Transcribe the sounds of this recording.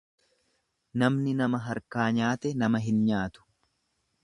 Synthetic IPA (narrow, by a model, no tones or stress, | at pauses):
nɐmnɪnɐmɐɦɐɾkaːɲaːt̪ɛnɐmɐɦɪnɲaːt̪ʊ̥